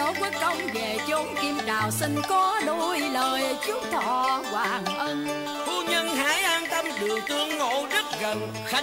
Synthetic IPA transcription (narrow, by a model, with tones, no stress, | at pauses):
ə˨˦wkwi˦˥ək̚ɗə˧wŋ͡mve˨˩t͡ɕo˨˦nki˧əmt͡ɕaː˨˩wsi˧ŋkɔ˨˦ɗo˧jləː˨˩jt͡ɕɨ˦˥t̪ʰɔ̰˧˨˩kwaː˨˩ŋʔə˧n | fu˧ɲə˧nɦaː˨˦jʔaː˧nt̪ə˧mɗɨ˨˩əŋt̪ɨ˨˧əŋːo̰˧˨zə˦˥t̚ɣə˨˩n | xa˦